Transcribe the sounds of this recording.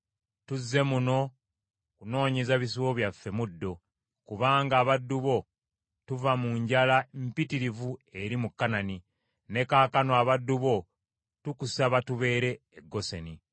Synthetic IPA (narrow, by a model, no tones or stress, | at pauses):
tuzːe̞muno̞ | kuno̞ːɲezaβis̬uwoβjafːe̞mudːo̞ | kuβaːŋɡaːβadːuβo̞ | tuvamuɲɟalampitiɾivue̞ɾimukːanani | ne̞kaːkanoaβadːuβo̞ | tukusaβatuβe̞ːɾe̞ːɡːo̞seni